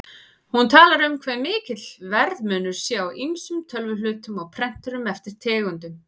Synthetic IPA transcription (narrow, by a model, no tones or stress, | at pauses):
hunt̪ʰaːlaɾʏmkʰvɛmɪːcɪt̪l̥vɛɾðmʏːnʏɾ̥sjɛawʔiŋsʏmt̪ʰœlvʏlʏːt̪ʏmɔɣpʰɾɛn̥t̪ʏɾʏmɛft̪ɪɾ̥t̪ʰɛːɣʏnt̪ʏm